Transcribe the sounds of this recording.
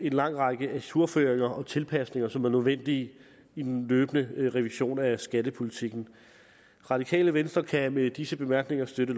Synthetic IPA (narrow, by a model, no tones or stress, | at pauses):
e̝nlɑ̈ŋ̰ʁɑɡ̥əʔæsuɐføːɐeŋɐʔɒ̽t͡sʰe̝lpʰæsne̝ŋɐsɒ̽mæɐnøðˠʋen̰d̥iː | id̥en̩løːb̥ənəʁɛʋiɕo̝̰ːnæsɡ̥æd̥əpʰo̝lit͡sʰiɡ̥n̩ | ʁɑ̈d̥ikʰɛ̰ːləʋensd̥ʁɐkʰæmed̥isəb̥e̝mæɐɡ̥ne̝ŋɐsd̥øɾə